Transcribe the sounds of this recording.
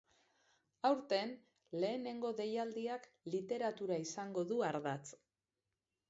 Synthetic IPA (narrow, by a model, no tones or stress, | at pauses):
awɾt̪e̞n | le̞ːne̞ŋɡo̞ðe̞jald̪iak | lit̪e̞ɾat̪uɾaisaŋɡo̞ðuaɾðat͡s